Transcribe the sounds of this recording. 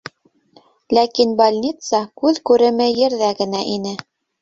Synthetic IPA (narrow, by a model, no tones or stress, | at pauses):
lækinbalʲnʲit̪sɑkʉðkʉɾɘ̆mɘjɘ̆ɾðæɡɘ̆næʔinɘ